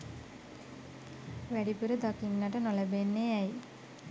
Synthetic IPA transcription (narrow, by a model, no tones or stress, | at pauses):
ʋæɖipuɾəd̪akinːaʈənoləbenːeɛj